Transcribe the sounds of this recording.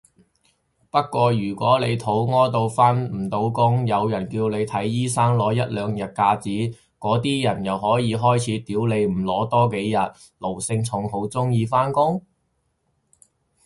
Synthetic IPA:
pɐ˥t̚kʷːwɔː˧ɥyː˨˩kʷɔː˨˥le˨˧jt̪ʰo˨˥wŋɔː˥t̪o˧wfaː˥nm̩˨˩t̪o˨˧wkʊ˥ŋjɐ˨˧wjɐ˨˩nkiː˧wne˨˧jt̪ʰɐ˨˥jːiː˥saː˥ŋlɔː˨˥jɐ˥t̚lœː˨˧ŋjɐ˨t̚kaː˧t͡siː˨˥ | kɔː˨˥t̪iː˥jɐ˨˩njɐ˨whɔː˨˥jiː˨˧ɦɔː˥jt͡sʰiː˨˥t̪iː˨˥wle˨˧jm̩˨˩lɔː˨˥t̪ɔː˥ke˨˥jjɐ˨t̚ | lo˨˩wsɪ˧ŋt͡sʰʊ˨˥ŋɦo˨˥wt͡sʊ˥ŋjiː˧faː˥nkʊ˥ŋ

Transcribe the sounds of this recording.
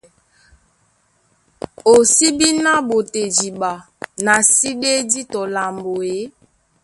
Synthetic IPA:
o˨si˦bi˦na˦bo˨te˨d͡ʒi˨ɓa˨ | na˨si˦ɗe˦di˦tɔ˨la˨mbo˨e˨˦

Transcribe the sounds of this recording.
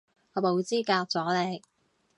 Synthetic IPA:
ɔː˨˧mo˨˧wt͡siː˥kaː˧k̚t͡sɔː˨˥le˨˧˥j

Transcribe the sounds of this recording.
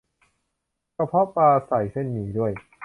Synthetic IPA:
ka˧pʰɔ˦˥paː˧sa˨˩jse˥˩nːiː˩˦du˥˩əj

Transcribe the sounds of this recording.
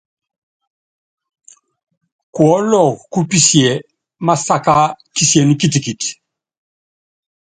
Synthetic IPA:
kwɔ˦lɔ˨ku˦pi˦˨sjɛ˨ | ma˦sa˦ka˦ki˦si˦ɛ˨ni˦ki˦˨ti˨ki˨ti̥

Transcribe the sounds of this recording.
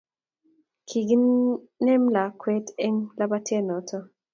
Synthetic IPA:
kʰi˨ɡi˦n | nɛ˦mla˨kʰwɛ˦tɛ˦ŋla˦ba˦tjɛ˦nɔ˨tʰɔ˦

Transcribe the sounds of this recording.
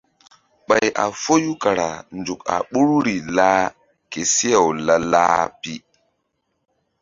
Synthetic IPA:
ɓa˨ja̰˨fo˦ju˦ka˨ɾa˨nd͡ʒu˨ka̰˨ɓu˦ɾɾi˨laː˦ | ke˨si˦ja˨wla˦la̰ː˦pi˦

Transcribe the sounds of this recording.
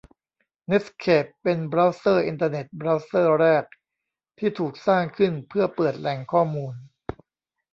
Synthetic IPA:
ne˦˥tkʰeː˨˩pːe˧nbɾa˦˥wsɤː˥˩ʔi˧nt̪̬a˧ne˨˩t̪̚bɾa˦˥wsɤː˥˩ɾɛː˥˩k̚ | t̪ʰiː˥˩t̪ʰuː˨˩k̚saː˥˩ŋkʰɯ˥˩npʰɯ˥˩ɐpɤː˨˩t̪̚lɛː˧ŋkʰɔː˥˩muː˧n

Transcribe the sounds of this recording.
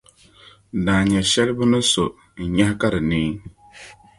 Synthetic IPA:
daː˨ɲɛ˨ʃɛ˦lɨ˦bɨ˦nɨ˦so˨ | ɲa˦hka˦ɾɨ˨niː˦

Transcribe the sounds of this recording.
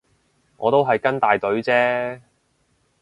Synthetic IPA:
ŋɔ̰ː˨˧t̪o˥wɦɐ˨jkɐ˥nt̪aː˨jt̪ɵ˨˥ɥt͡sɛː˥

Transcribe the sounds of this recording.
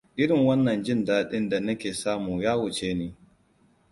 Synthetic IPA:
ʔɪ˦ɽɪ˨ŋwɐ˦nːɐ˨nd͡ʒɪ˦ndaː˦ɗɪ˦nda˨nɐ˦kʲeː˨saː˦muː˨jaː˦wʊ˨t͡ʃeː˦niː˦

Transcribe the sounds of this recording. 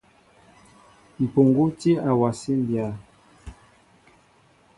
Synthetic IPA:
m̩˨po˨ŋɡu˦ti˦a˨wa˨si˦n˦bja˨˦

